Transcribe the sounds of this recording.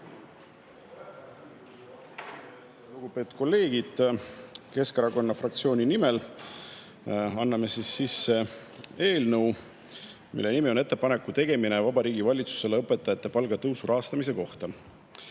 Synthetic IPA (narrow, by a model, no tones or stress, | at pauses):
luɡ̥upe̞ːt̪ud̪̥ko̞lːe̞ːɡ̥id̪̥ | ke̞skɑɾɑko̞nːɑfrɑkt̪sio̞ːnʲinimel | ɑnːɑme̞sisːisːe̞ | e̞ːlnɤw | mḭlːe̞nimio̞ne̞t̪ˑːe̞pɑnekːˑut̪e̞ɡ̥e̞mine̞vɑbɑɾiːɡ̥ivɑlʲit̪su̥se̞leɤpːˑe̞t̪ːˑɑjɑt̪ːe̞pɑlɡ̥ɑt̪ɤwsuɾʔɑɦɑst̪ɑmis̬e̞ko̞ht̪ɑ